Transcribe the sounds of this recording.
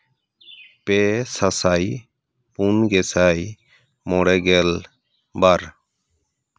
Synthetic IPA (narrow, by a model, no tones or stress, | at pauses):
pesasaːj | punɡesaj | moɽeɡel | baɾ